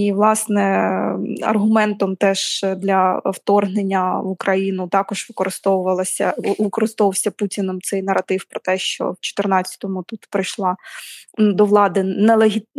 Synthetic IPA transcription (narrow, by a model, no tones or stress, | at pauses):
iʋlˠɑsnɛ | ɐ̰rɦʊmɛnt̪ɔmt̪ɛʒd̪lʲɐwt̪ɔrɦnenʲːɐukɾɐjinʊt̪ɑkɔʒʋɪkɔɾɪst̪ɔwʊʋɐlˠɐsʲɐʋɪkɔɾɨst̪ɔʋɐwsʲɐputʲinɔmt̪sɛjnɐɾɐt̪ɪwpɾɔt̪ɛʃt͡ʃɔ̰wt͡ʃɔ̥t̪ɪrnɑt͡sʲːɐ̥t̪ɔmʊt̪ut̪pɾɪjʃlˠɑ | d̪ɔʋlˠɑd̪ɪnɛlˠeɦʲit̪